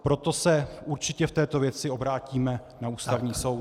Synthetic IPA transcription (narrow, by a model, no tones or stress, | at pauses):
pɾo̞t̪o̞sɛʔuɾt͡ʃɪcɛft̪ɛːt̪o̞vjɛt͡sɪo̞bɾaːciːmɛ | nauːst̪avɲiːso̞w